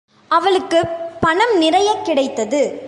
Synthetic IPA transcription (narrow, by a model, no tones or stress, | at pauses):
ʔɐʋɐɭɯkːɯpɐɳɐmnɪɾɐjɐkːɪɽɐɪt̪ːɐðɯ